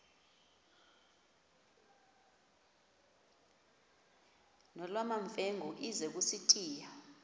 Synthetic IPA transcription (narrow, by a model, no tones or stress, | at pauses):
nɔlwamaɱfɛŋʱɔʔizɛk̬usitʰiːja